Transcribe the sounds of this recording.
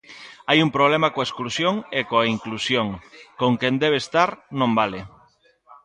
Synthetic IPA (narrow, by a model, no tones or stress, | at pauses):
ajumpɾoβ̞lemakoaesklusjoŋekoaiŋklusjoŋkoŋkend̪eβ̞eːst̪aɾnõmbale